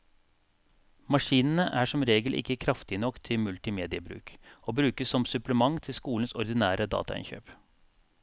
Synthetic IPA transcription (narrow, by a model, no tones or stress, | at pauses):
mɑʂiːnən̩əʔæːʂɔmɾeːɡəlʔɪ̰kːəkʰɾɑft̪ɪnɔkːt̪ʰɪlmʉlt̪ɪmeːd̪ɪəbɾʉ̰ːkoːbɾʉːkəssɔmsʉpləmɑŋt̪ʰɪlskuːln̩sɔɾd̪ɪnæːɾəd̪ɑ̰ːt̪ɑ̰ɪ̰nçø̰ːp